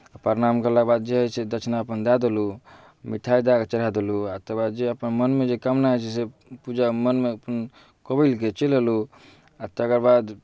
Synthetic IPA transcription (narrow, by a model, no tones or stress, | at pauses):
apəɾnamkəlabad̪̚d͡ʒeɦəsed̪ət͡ʃʰnaəpənd̪ad̪elu | miʈʰajd̪aɡt͡ʃəɾ̤ad̪eluat̪əbad̪d͡ʒeəpənmənmed͡ʒekəmnaɦɛt͡ʃʰɛsepud͡ʒamənmeəpən | kobəlket͡ʃeləlu | at̪əkəɾbad̪